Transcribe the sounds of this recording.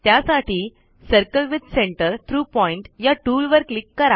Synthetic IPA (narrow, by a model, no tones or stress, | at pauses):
t̪jasaʈiː | səɾkəlʋid̪seɳʈəɾt̪ʰɾuːpɔiɳʈjaʈuːlʋəɾklikːəɾa